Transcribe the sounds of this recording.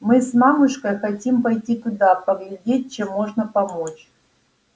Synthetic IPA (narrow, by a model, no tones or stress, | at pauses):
mɨsmamʊʂkəjxɐtʲimpɐjtʲit̪ʊd̪apəvʲɪlʲdʲet̚ʲt͡ɕemːoʐnəpɐmot͡ɕ